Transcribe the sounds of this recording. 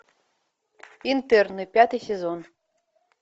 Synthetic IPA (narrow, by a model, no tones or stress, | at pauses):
int̪ɛrnɨpʲat̪ɨjsʲezon